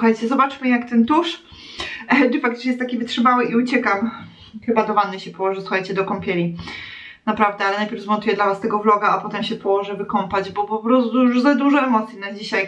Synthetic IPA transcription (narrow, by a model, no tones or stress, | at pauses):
xajt͡ɕɛzɔbat͡ʂmɘjakt̪ɛmt̪uʂ | dɨfak̚t̪t͡ʂɲɛɛst̪ːakʲivɘtʂɘbawɘʔiut͡ɕɛkam | xɘbad̪ɔvanːɛɕɛpɔwɔʐɛsuxajt͡ɕɛd̪ɔkɔmpʲjɛlʲi | napɾavd̪ɛalɛnajpʲjɛɾvzmɔnt̪ujɛd̪lavast̪ɛɡɔvlɔɡaapɔt̪ɛmɕɛpɔwɔʐɛvɘkɔmpad͡ʑbɔpɔpɾɔst̪uʐzad̪uʐɔɛmɔt̪sʲjinad͡ʑiɕaj